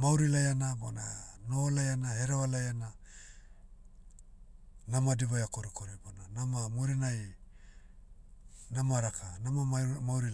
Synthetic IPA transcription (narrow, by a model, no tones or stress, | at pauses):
mawɾilajanabonanolajanaɦeɾaalajana | namadiβajakoɾikoɾibonanamamuɾinaj | namaɾakʰanamamawɾi